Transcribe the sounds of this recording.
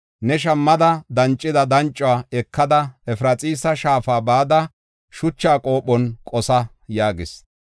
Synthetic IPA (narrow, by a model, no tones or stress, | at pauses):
nɛʃ̬ɐmːɐd̪ɐd̪ɐnt͡ʃʼːɪd̪ɐd̪ɐnt͡ʃʼːʊwaːɛkːɐd̪ɐɛfɾɐt͡sʼiːsɐʃaːfaːbaːd̪ɐ | ʃʊt͡ʃːaːkʼo̞ːpːɔnkʼɔsɐ | jaːɡɪs